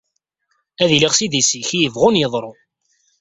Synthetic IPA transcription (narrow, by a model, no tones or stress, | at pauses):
æðiliʁsid̪isiçijəvʁʊnjəðˤɾˤo